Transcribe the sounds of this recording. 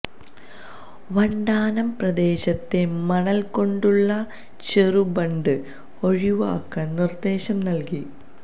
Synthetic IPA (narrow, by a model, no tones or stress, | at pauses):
ʋɐɳɖaːnɐmprɐd̪e̞ːɕɐt̪ːe̞mɐɳɐlko̞ɳɖuɭːɐ | t͡ɕerubɐɳɖɨ | o̞ɻiʋɐ̰ːkːɐnird̪e̞ːɕɐmnɐlki